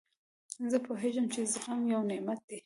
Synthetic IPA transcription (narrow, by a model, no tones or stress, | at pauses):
zəpoɦeʒəmt͡ʃezɣamjawnɪʔmat̪̚d̪e